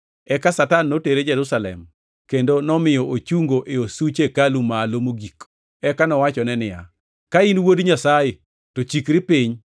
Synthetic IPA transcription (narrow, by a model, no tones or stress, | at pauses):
ɛkasatanːoteɾed͡ʒɛɾusalɛ̰m | kendonɔmɪjɔʔot͡ʃuŋɡoʔeosut͡ʃekalumalomoɡik | ɛkanɔwat͡ʃɔnɛnɪja̰ | kainwodɲasaje | tot͡ʃikɾɪpiɲ